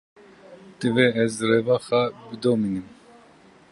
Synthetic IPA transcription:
t̪ɨveɛzrevaxabɨd̪oːminɨm

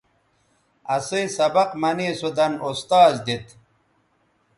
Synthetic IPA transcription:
ɐsijsɐbɐqmɐnisud̪ɐnost̪aːzd̪it̪

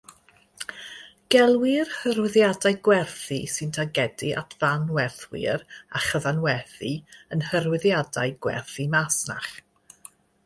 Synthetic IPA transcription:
ɡ̥ɛlˠwɪrhəɾwɪðjadajɡwɛrθisɨntʰaɡɛdiʔa̰tʰv̥anwɛrθwɪ̰ɾaχəðanwɛθiənhərwɪðjadajɡwɛ̰rθimasna̰χ

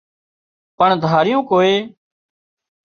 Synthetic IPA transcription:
pəɳd̪ʱaːɾɪjõːkoːeː

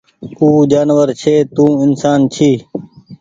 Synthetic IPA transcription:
uːd͡ʒaːnʋəɾt͡ʃʰeːt̪ũːɪnsaːnt͡ʃʰiː

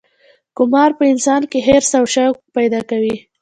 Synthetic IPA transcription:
kʊmɑɾpəɪnsɑnkeɦeɾsawʃakpajd̪ɑkawi

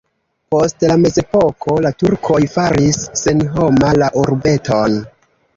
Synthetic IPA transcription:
po̞stlame̞ze̞pokʰo̞latuɾkʰo̞jfaɾisːe̞nɦo̞malaʔuɾbe̞tʰon

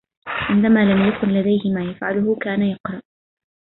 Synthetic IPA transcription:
ʕɪnd̪amaːlamjakʊnlad̪ajhɪmaːjafʕalʊhʊkaːnajɑqɾˤɑʔ

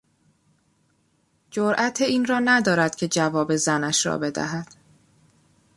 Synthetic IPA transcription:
d͡ʒoɾʔæt̪ʰeiːnrɒːnæd̪ɒːɾæd̪̥cʰe̞d͡ʒævɒːbe̞zænæʃɾɒ̰be̞d̪æ̰ɦæd̪̥

